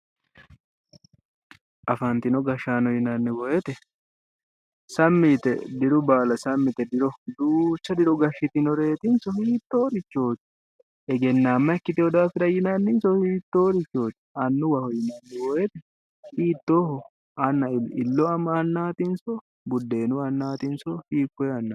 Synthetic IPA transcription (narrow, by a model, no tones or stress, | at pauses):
ʔɐfɐnt̪ɪnɔɡɐʃaːnɔjɪnɐnːɪwɔʔɛt̪ɛ | sɐmːit̪ɛ̰d̪ɪɾʊbaːlɐsɐmːɪt̪ɛd̪ɪɾɔd̪uːt͡ʃːɐd̪ɪɾɔɡɐʃːɪt̪ɪnɔɾe̞ːt̪ɪnsɔhiːt̪ːoːɾɪt͡ʃːo̞ːt͡ʃː | ɛɡɛnːaːmːɐɛkːɪt̪ɪɔd̪aːfɪɾɐjɪnɐnːɪnsɔhiːt̪ːoːɾɪt͡ʃːo̞ːt͡ʃ̪ːɛ̥ɐnːʊwɐhɔjɪnɐnːɪwɔʔɛt̪ɛ | hiːt̪ːoːhɔ | ɐnːɐɪɪlːɔɐmɐɐnːaːt̪ɪnsɔ | bʊd̪ːe̞ːnʊɐnːaːt̪ɪnsɔhiːkːɔjɐnːɐ